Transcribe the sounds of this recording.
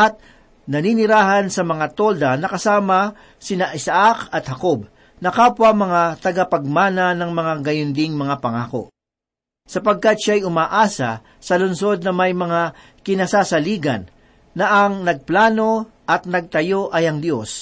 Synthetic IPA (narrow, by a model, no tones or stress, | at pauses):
ʔɐt̪̚ | nɐninɪɾaːɦɐnsɐmɐŋat̪o̞ld̪ɐnɐkɐsaːmɐ | sɪnaʔɪsaʔakɐt̪hɐkob̚ | nɐkaːpwɐmɐŋat̪ɐɡapɐɡ̚maːnɐnɐŋmɐŋaɡɐjʊnd̪ɪŋmɐŋapɐŋaːko̞̰ʔ | sɐpɐɡ̚kat̪̚ʃaajʊmaːʔaːsɐ̰ | sɐlʊnso̞d̪̚nɐmɐjmɐŋa | kɪnasaːsɐliːɡɐ̰nː | ɐʔɐŋnɐɡ̚plaːno̞ | ʔɐt̪̚nɐɡ̚t̪ɐjo̞ʔɐjɐŋd̪jo̞s